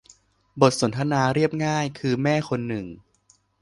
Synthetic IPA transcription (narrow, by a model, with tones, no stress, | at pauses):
bo˨˩t̪̚so˩˦nt̪ʰa˧naː˧ɾi˥˩əp̚ŋaː˥˩jkʰɯː˧mɛː˥˩kʰo˧nːɯ˨˩ŋ